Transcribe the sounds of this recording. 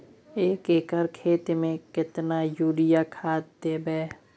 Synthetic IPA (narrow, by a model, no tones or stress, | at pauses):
eːkeːkəɾkʰeːt̪mẽkɪt̪najuːɾɪjakʰaːt̪̚d̪eːbɛː